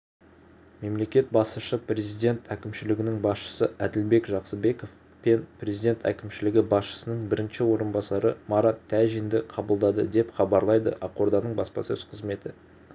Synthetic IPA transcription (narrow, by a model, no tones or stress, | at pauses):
me̞mle̞kʲe̞t̪̚bɑsəʃəpre̞zijd̪e̞nt̪ʰækʲɪmʃɪlɪɡʲɪnɪŋbɑsʃə̥səæd̪ɪlbe̞kʒɑqsəbe̞ko̞f | pe̞nprʲe̞zijd̪ʲe̞nt̪æ̰kʲɪmʃɪlɪɡʲɪbɑsʃə̥sənəɴbɪɾɪnʃɪwo̞ɾənbɑsɑɾəmɑɾɑt̪ʰːæʒind̪ɪqʰɑbəlˠd̪ɑd̪əd̪e̞pχɑbɑɾlˠɑjd̪ə̰ʔɑqo̞ɾd̪ɑnəɴbɑspɑ̰sezqʰəzme̞t̪ɪ